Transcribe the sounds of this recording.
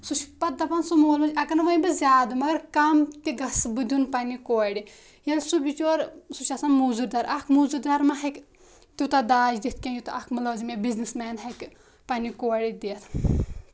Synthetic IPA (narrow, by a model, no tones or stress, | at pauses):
sut͡ʃʰpɐd̪ɐpɐnsumoːlmɐt͡ʃʲɐkɐnɐʋɐjbɨzʲaːd̪ɨmɐɡɐɾkamt̪iɡɐsbɨd̪ʲunpanikoːɽi | jɐlsubit͡ʃoːɾsut͡ʃasɐnmuzuɾd̪ɐɾʔɐkʰmuːzuɾd̪ɐɾmɐɦɐk | t̪iwt̪ad̪aːd͡ʒd̪it̪̚ʰkʲẽjut̪ɐkʰmɨlɐːzimebiznismɛːnɦɐk | pɐnʲikoːɽid̪iːt̪ʰ